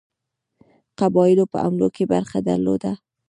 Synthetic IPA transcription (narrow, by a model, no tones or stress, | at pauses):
qabɑjɪlopəʔa̰mlokebaɾxad̪a̰ɾlo̰d̪a